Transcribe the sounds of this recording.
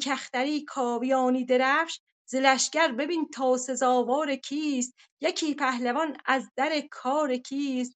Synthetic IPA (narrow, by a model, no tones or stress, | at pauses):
kʰæxt̪æɾiːkʰɒːvijɒːniːd̪eɾæfʃ | zelæʃɟ̥æɾbe̞bint̪ʰɒːsezɒːvɒːɾecʰiːst̪̚ | jecʰiːpʰæhlevɒnæzd̪æɾekʰɒːɾekʰiːst̪